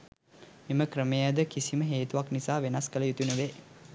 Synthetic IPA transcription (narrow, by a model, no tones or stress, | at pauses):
miməkrəmejəd̪əkisiməɦeːt̪uʋaknisaːʋenaskələjut̪unuʋeː